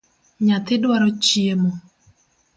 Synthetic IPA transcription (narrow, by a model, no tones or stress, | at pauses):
ɲat̪ɪdwaɾɔt͡ʃiemɔ